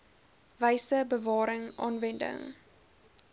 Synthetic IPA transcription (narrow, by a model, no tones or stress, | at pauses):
vəjsəbəvɑːɾəŋʔɑ̰ːnvɛndə̰ŋ